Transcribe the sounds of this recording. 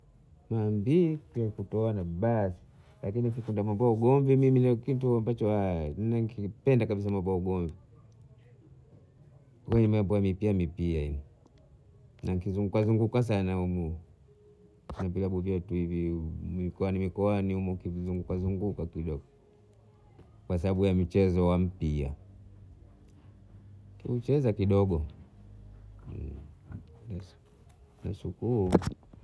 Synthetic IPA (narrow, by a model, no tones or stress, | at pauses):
mambikiakutɔanaɓasi̥ | lakinifikundamambwauɡɔɱvimiminakituambat͡ʃɔanaŋkipɛndakaɓis̬amambwauɡɔmvi | kwɛɲɛmambɔamipiamipiaini | naŋkizuŋɡukazuŋɡukas̬anaumu | navilaɓuvjɔtuivimikɔanimikɔanihumukivizuŋɡukazuŋɡukakiɗɔɡɔ | kwas̬aɓaɓujam̩t͡ʃɛzɔwam̩pia̰ | kiut͡ʃɛzakiɗɔɡɔ | na | nasukuu